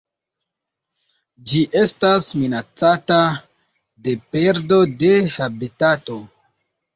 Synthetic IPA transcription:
d͡ʒiʔe̞stasminat͡sata | de̞pe̞ɾdo̞de̞habitato̞

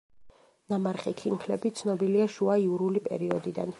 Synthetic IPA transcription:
namaɾχikʰinkʰlɛbit̪sʰnɔbiliaʃuaiuɾulipʼɛ̰ɾiɔd̪id̪a̰n

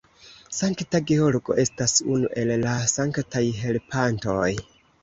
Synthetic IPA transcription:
saŋktaɡeo̞ɾɡo̞ʔe̞stasunuʔe̞lːasaŋktajɦe̞lpʰanto̞j

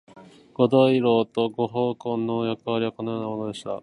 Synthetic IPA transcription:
ɡ̥o̞d̪oiɾo̞ːt̪o̞ɡo̞ɦoːkõ̞nːojakɯ̟βaɾʲiβako̞nojo̞ːnamo̞no̞d̪e̞ɕi̥t̪a̰

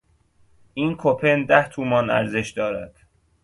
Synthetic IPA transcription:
ʔiːnkʰopʰend̪æht̪ʰuːmɒːnæ̰ɾze̞ʃd̪ɒːɾæ̰d̪̥

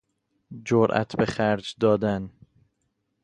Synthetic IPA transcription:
d͡ʒoɾʔæ̰t̪ʰbeχæɾd͡ʒd̪ɒːd̪æn

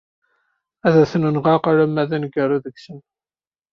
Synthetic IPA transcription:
æðæθənunʁɑqaɾæmːæðænɡəruðəɡsən

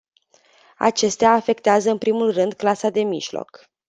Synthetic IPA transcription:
a̰t͡ʃe̞st̪eaːfe̞k̚t̪eazəɨnpɾimulrɨnd̪klasad̪e̞mḭʒlo̰k

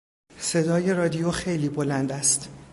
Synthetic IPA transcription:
se̞d̪ɒːje̞ɾɒːd̪ijoxe̞jliːbolænd̪æst̪

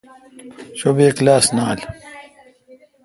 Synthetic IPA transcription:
ɕobeːklaːsnaːl

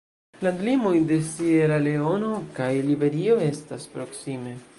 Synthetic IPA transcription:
ladlimojde̞sieɾale̞o̞no̞kajlibe̞ɾio̞e̞staspɾo̞ksime̞

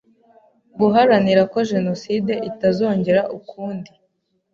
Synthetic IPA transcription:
ɡuɦaɾaniɾako̞ʒe̞no̞side̞ʔitazo̞ːɲɟe̞ɾaʔukuːndi

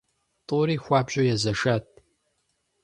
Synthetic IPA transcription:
tʼuːɾiːxʷɑːbʑʼojɛzɐʂat̚ʰʼ

